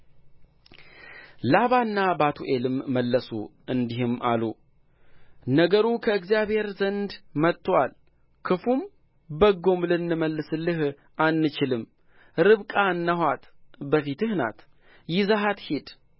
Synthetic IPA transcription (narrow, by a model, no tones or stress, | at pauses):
laβanːabat̪ʰuʔelɨmːəlːəsṵ | ɨnd̪ihɨmʔa̰lu | nəɡəɾukʰəɨɡzijaβhe̞ɾzənd̪mət̪ːwal | kʰɨfum | bəɡo̞mlɨnːɨməlːɨsɨlːɨh | anːɨt͡ʃɪlɨm | ɾɨβkʼanːəɦwat̪bəfit̪ɨhna̰t̪ | jɪzaɦat̪hed̪